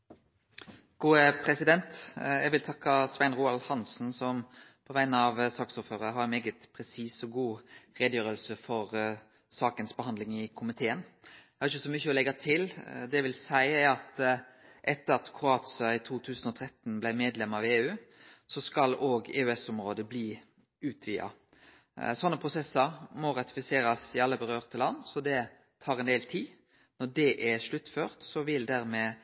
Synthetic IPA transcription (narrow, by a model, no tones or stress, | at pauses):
ɡ̥uːəpʰɾɛsɪd̪ɛnt̪jæɡʋɪlt̪ʰɑkːɑsʋæɪnɾuːɑlhɑnsn̩sɔmpʰɔʋæɪnəɑʋsɑːksuːɾfhøːɾəɦɑɾmeːɡət̪pʰɾɛsiːsɔɡuːɾeːd̪jøːɾəlsəfɔɾ | sɑːkənsbəhɑnd̪lɪŋɪkʰʊmɪt̪ʰeːən | hɑɾɪçəsɔmʏçːəɔlɛɡɑt̪ʰɪld̪ɛæʋɪlsæɪæɾɑt̪ | ʔɛt̪ːəɾɑt̪kʰʁʊɑːt̪sɪɑɪt̪ʰuːt̪ʰʉːsən̩ɔt̪ʰɾɛt̪n̩blæɪmeːd̪lɛmːɑʋɪeːʉːsɔskɑloːɡḛːʉɛsʊmɾoːd̪əbliː | ʉːt̪ʰʋiːɑ̰ | sɔnːəpʰʁʊsɛsːəɾmɔɾɑt̪ɪ̥fɪseːɾɑsɪɑlːəbəɾøːʁt̪ʰəlɑnːsɔd̪ɛ | t̪ʰɑːɾɛnd̪eːlt̪ʰiː | nɔɖɛʔɛʂlʉt̪ːføːɾt̪sɔʋɪld̪æɾmɛː